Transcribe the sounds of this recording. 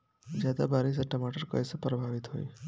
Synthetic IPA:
d͡ʑjad̪abʱaɾis̬əʈəmaʈəɾkə̰jsəpɾəbʱaʋit̪ɦo̰i

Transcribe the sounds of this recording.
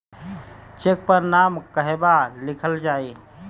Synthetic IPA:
t͡ʃek̚pəɾnamkəɦebalikʰəld͡ʒai

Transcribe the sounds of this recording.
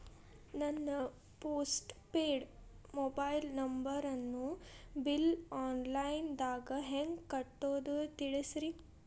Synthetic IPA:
nɐnːɐ | poːsʈpeːɽ | mobɐjlnɐmbɐɾɐnːubilaːnlɐjnd̪aːɡɐɦeŋɡkɐʈːoːd̪ut̪iɽisɾi

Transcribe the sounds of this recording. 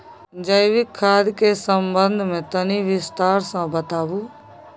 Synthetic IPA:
d͡ʒəjʋɪkʰːaːd̪kesəmbənd̪ʱmẽt̪əniʋɪst̪aːɾsãːbət̪aːʋũː

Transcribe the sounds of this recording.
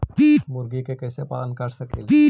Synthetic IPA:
mʊɾɡikekɛsepa̰ːənkəɾsəkḛl

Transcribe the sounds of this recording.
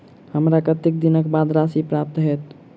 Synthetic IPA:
həmɾakət̪ek̚d̪inəkbad̪ɾasipɾap̚t̪ɦɛt̪

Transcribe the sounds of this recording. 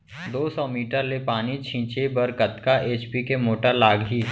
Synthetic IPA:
d̪oːsɔːmiːʈəɾlepaːnit͡ʃʰĩːt͡ʃebɐɾkət̪kaʔeːt͡ʃpikemoːʈəɾlaːɡɦiː

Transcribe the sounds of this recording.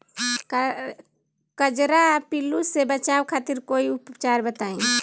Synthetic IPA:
kəd͡ʒɾapilusebət͡ʃawkʰat̪iɾkoiʊpt͡ʃaɾbət̪aĩ

